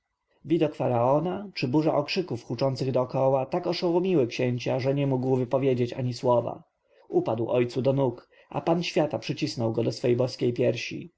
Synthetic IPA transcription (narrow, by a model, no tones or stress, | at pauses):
vʲid̪ɔkfaɾaɔnat͡ʂɘbuʐa̰ʔɔkʂɘkufxut͡ʂɔnt̪sɘɣd̪ɔːkɔwat̪akɔʂɔwumʲiwɘkɕeɲt͡ɕaʐɛɲɛmuɡwvɘpɔvʲjed͡ʑet͡ɕa̰ɲiswɔva̰ | upad̪wɔjt̪sud̪ɔnuk | ʔa̰panɕfʲjat̪apʂɘt͡ɕisnɔwɡɔd̪ɔsfɛjbɔskʲejpʲjɛɾɕḭ